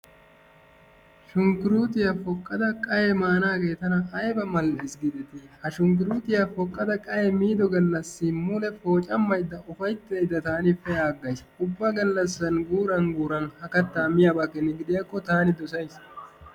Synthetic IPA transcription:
ʃʊŋkɪɾuːt̪ɪjɐfɔkʼːɐd̪ɐkʼɐjɛmaːnaːɡe̞ːt̪ɐnɐːjbɐmɐlːɐɪsɡɪd̪ɪt̪ɪhɐʃʊŋk̬ɪɾuːt̪ɪjɐfɔkʼːɐd̪ɐkʼɐjɛmiːd̪ɔɡɐlːɐsːɪmʊlɛfo̞ːt͡ʃʼɐmːɐjd̪ːɐʔʊfɐjt̪ːejd̪ːɐt̪aːnɪfɛjaːɡːɐjs | ʊbːɐɡɐlːɐsːɐnɡuːɾɐnɡuːɾɐnhɐkɐt̪ːaːmɪjaːbaːkːɛnːɛɡɪd̪ɪjakːɔt̪aːnɪd̪ɔsɐjs

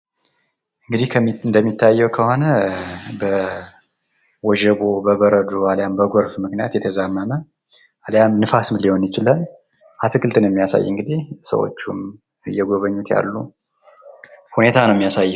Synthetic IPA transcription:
ʔɨŋɡɨd̪ihkʰənd̪əmːit̪ʰːajːɛwkʰəho̞nəbə | wɔʒəbobəβəɾəd̪ualjambəɡoɾfmɨknija̰t̪jɛt̪ʰəzamːəmə | aljamnɨfasmlihonjɪt͡ʃɪlən | ʔat̪ʰɨkʰɨlt̪ʰɨnjɛmːijasa̰jːɨŋɡɨd̪ihsə̰wo̰t͡ʃːum | jɛɡoβəɲːut̪ja̰lːu | hune̞t̪ʰanəwmːijasajː

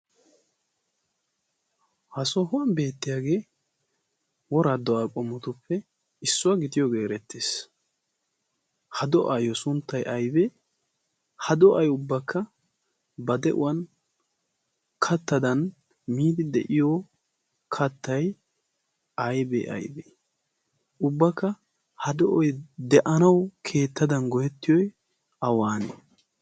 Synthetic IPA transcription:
hɐsɔɦʊwɐnbe̞ːt̪ːɪjaːɡe̞ː | wɔɾad̪ːɔaːkʼɔmːɔt̪ʊpːɛ | ɪsːʊwɐɡɪt̪ɪjɔɡe̞ːɾɛt̪ːeːs | hɐd̪ɔʔajɔsʊnt̪ːɐjʔɐjbɛ | hɐd̪ɔʔɐjʊbːɐkʰːɐ | bɐd̪ɛʔʊ̰wɐn | kʰɐt̪ːɐd̪ɐn | miːd̪ɪd̪ɛʔɪjo | kʰɐt̪ːɐj | ɐjbɛ̰ːʔɐ̰jbḛ | ʊbːɐkːɐ | hɐd̪ɔʔɔjd̪ɛʔɐnɐwkʰe̞ːt̪ːɐd̪ɐnɡɔjɛt̪ːɪjɔj | ɐwaːnḛː

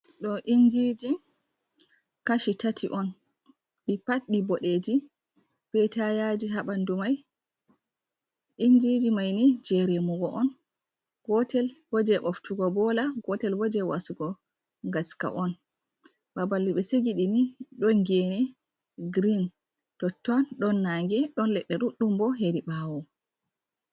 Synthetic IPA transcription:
ɗɔʔind͡ʒid͡ʒi | kaʃitatʰiʔɔn | ɗipat̚ɗibɔɗed͡ʒi | b̥ɛtajad͡ʒiɦaɓandumaj | ʔind͡ʒid͡ʒimajnid͡ʒɛɾemuɡɔʔɔn | ɡ̥ɔtɛlwɔd͡ʒɛʔɔftuɡɔbɔlaɡɔtɛlwɔd͡ʒɛwasuɡɔ | ŋɡaska̰ʔɔn | babalːiɓɛseɡiɗiniɗɔnɡenɛ | ɡɾin | tɔtːɔnɗɔnːaŋɡɛɗɔnlɛɗːɛɗuɗːumbɔɦeɾiɓawɔ

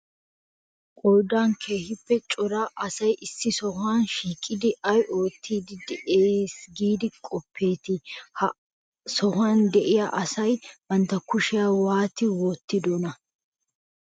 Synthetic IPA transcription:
kʼɔjd̪aːnkʰe̞ːhɪpːɛt͡ʃʼɔɾaʔɐsɐjʔɪsːɪsɔhaːnʃiːkʼːɪd̪ɪɐjʔo̞ːt̪ʰːiːd̪ɪd̪ɛʔeːsɡiːd̪ɪkʼɔpʰːe̞ːt̪ɪhɐ | sɔhaːnd̪ɛʔɪjaʔɐsɐjwɐnt̪ːɐkʊʃɪjaːwaːt̪ɪwɔːt̪ːɪd̪ɔnɐ

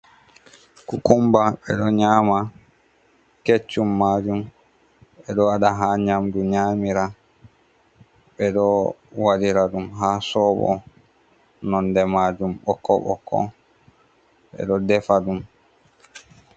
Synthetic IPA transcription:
kɔkumbaɓɛɗɔɲaːma | ket͡ʃːumːaːd͡ʒum | ɓɛɗɔwaɗaɦaɲamduɲaːmiɾa | ɓɛɗɔwadiɾaɗumɦasɔɓɔ̰ | nɔndɛmaːd͡ʒumɓɔ̰kːɔ̰ɓɔ̰kʰːɔ̰ | ɓɛ̰ɗɔdɛfaɗum

